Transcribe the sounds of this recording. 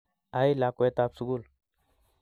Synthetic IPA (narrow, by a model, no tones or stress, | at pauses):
ailakoet̪apsuɡul